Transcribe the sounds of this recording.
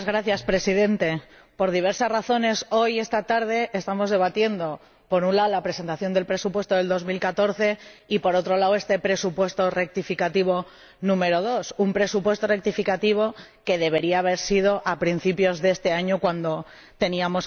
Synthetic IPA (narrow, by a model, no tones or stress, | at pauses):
zɣɾaθjaspɾe̞siðe̞nt̪e̞ | po̞ɾð̞iβ̞e̞ɾsasraθo̞ne̞so̞je̞st̪at̪aɾð̞e̞ʔest̪amo̞zð̞e̞βat̪je̞nd̪o̞ | po̞ɾunlaolapɾese̞nt̪aθjo̞nd̪e̞lpɾe̞supwe̞st̪oðe̞ld̪o̞zmilkat̪o̞ɾθe̞ipo̞ɾo̞t̪ɾo̞lawe̞st̪e̞pɾe̞supwe̞st̪o̞re̞k̚t̪ifikat̪iβ̞o̞ | nũme̞ɾo̞ð̞o̞sumpɾe̞supwe̞st̪o̞re̞k̚t̪ifikat̪iβ̞o̞ | ke̞ð̞e̞β̞e̞ɾiaːβ̞e̞ɾsið̞o̞ʔapɾin̟θipjo̞zðe̞st̪e̞aɲo̞kwand̪o̞ | t̪e̞niamo̞s